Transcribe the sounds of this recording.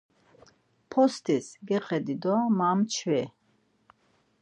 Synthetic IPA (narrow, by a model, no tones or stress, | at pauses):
pʰɔst̪ʰisɡɛqʼɛd̪id̪ɔmamt͡ʃʰwɛ